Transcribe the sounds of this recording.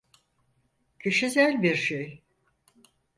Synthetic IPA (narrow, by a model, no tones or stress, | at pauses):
cʰeʃizælʲbiɾʃej